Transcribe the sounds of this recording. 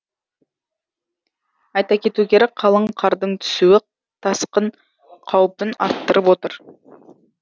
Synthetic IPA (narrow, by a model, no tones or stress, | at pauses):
ɑjt̪ɑkʲʰe̞t̪uɡʲe̞ɾɪqʰɑlˠəɴqʰɑɾd̪əɴt̪ʰʏ̥suwɪ | t̪ʰɑsqən | qʰɑwpɪnɑ̰ɾt̪ːəɾəpwo̞t̪əɾ